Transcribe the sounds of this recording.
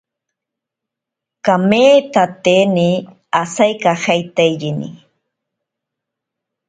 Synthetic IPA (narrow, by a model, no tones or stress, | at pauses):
kameːt̪at̪eːni | asajkahajt̪ajʎinḭ